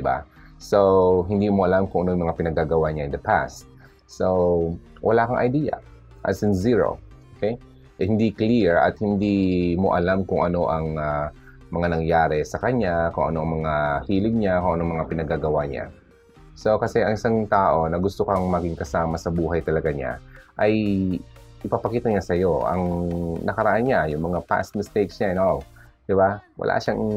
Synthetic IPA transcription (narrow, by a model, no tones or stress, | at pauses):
d̪ɪba̰soɦɪnd̪iːmoʔɐlamkʊŋʔɐnojɐŋmɐŋapɪnɐɡaɡɐwaɲaʔɪnd̪ɐpʰa̰st̪̚ | sow | wʔɐ̰laːkɐŋʔɐ̰jd̪iːjɐ̰ | ʔɐ̰sɪnziɹo̰ʔokɛj | ʔɛhɪnd̪ikliɹʔɐ̰t̪̚hɪnd̪imo̞̰ʔɐlamkʊŋʔɐno̞ʔɐŋa | mɐŋanɐŋjaːɾɛsɐkɐɲakʊŋʔɐ̰noʔɐŋmɐŋahiːlɪɡ̚ɲakoŋʔɐnoɐŋmɐŋapɪnɐɡaɡɐwaɲa̰ | so̞kɐsɛʔɐŋʔɪsaŋt̪aːʔo̞nɐɡʊst̪okɐŋmɐɡɪŋkɐsaːmɐsɐbuːɦɐjt̪ɐlɐɡaɲa̰ʔɐj | ʔɪpɐpɐkiːt̪ɐɲasɐjo̞ʔɐ̰ŋnɐkɐɾɐʔanɲajʊŋmɐŋapa̰st̪̚mɪst̪ejksɲaɛnod̪̥ɪbawɐ̰lʔa̰ʃaŋ